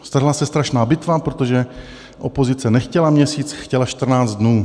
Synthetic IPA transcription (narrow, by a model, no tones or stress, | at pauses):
st̪aʒɪlasɛst̪ɾaʃnaːbɪt̪vapɾo̞t̪o̞ʒɛ | ʔo̞̰pozɪt͡sɛnɛxcɛlamɲɛsiːt͡sxcɛlaʃt̪r̩naːt͡st̪dnuː